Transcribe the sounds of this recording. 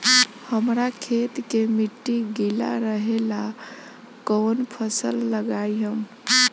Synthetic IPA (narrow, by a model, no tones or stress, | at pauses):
həmɾakʰet̪kemiʈːiɡila̰ɾəɦela | kənpʰəsəlːəɡajɦəm